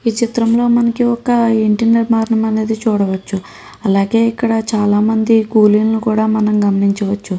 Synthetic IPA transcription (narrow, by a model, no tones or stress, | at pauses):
iːt͡ʃit̪ɾɐmlo̞ːmɐnɐkiɔkɐiɳʈɐeɾmaːɾɳɐmɐne̞ːd̪it͡ʃuːɽɐʋɐt͡ʃːu | ɐlaːɡe̞ːikːɐɽɐt͡ʃaːlaːmɐnd̪ikuːliːnnukuːɽaːmɐnɐmɡɐmɐniɲt͡ʃɐʋɐt͡ʃːu